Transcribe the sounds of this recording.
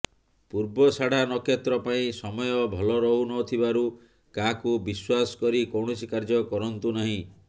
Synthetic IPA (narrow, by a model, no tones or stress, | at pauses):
puɾbɔsaɽ̤anɔkʰet̪ɾɔpaĩsɔmɔjɔbʱɔlɔɾɔɦunɔt̪ʰibaɾu | kakubiswasɔ̥kɔɾikowɳɔsikaɾd͡ʒɔkɔɾɔnt̪unaɦĩ